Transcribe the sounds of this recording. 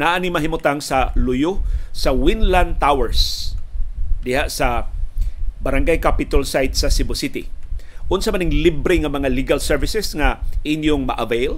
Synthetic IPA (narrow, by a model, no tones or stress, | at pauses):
naʔanɪŋmɐɦimʊt̪aŋsɐlʊjʊsɐwɪnland̪̚t̪awɛɹs | d̪ɪhaʔsɐ | bɐɾaŋɡajkapɪt̪alsajt̪̚sɐsɪbʊsɪt̪ɪʔʊnsamanɪŋlibɾɪŋamɐŋaliɡalsɛɹvɪsɛsŋaʔɪnjʊŋmɐ̰ʔavejl